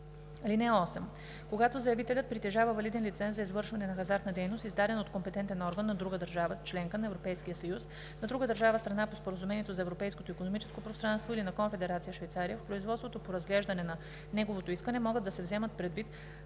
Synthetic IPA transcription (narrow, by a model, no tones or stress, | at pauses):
linɛɔsɛm | koɡat̪ozɐjɛvit̪ɛlʲət̪̚pɾit̪ɛʒavəvɐlid̪ɛnlit̪sɛnszɐizvɤɾʃvɐnɛnɐxɐzaɾt̪nɐd̪ɛjnost̪izd̪ad̪ɛnot̪kompɛt̪ɛnt̪ɛnɔɾɡənːɐd̪ɾuɡəd̪əɾʒavət͡ʃlɛŋkənɐɛvɾopɛjskijəsɐjus | nɐd̪ɾuɡəd̪əɾʒavəst̪ɾɐnapospoɾəzumɛniɛt̪ozɐɛvɾopɛjskot̪oikonomit͡ʃɛ̥skopɾost̪ɾanst̪voilinɐkomfɛd̪ɛɾat̪sijəʃvɛjt̪saɾijəfpɾoizvɔt̪st̪vot̪opoɾɐzɡlɛʒd̪ɐnɛnɐ | nɛɡovot̪oiskənɛmɔɡəd̪ːɐsɛvzɛmət̪̚pɾɛd̪vit̪